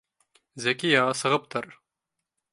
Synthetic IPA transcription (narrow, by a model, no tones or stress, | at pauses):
zækijɑʁɑsɤ̆ʁɤp̚t̪ɤɾ